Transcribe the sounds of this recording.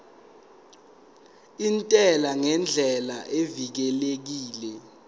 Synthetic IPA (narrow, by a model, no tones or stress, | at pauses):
intʼɛlaŋɛnd͡ɮʱɛlaʔevik̬ɛlek̬iːlɛ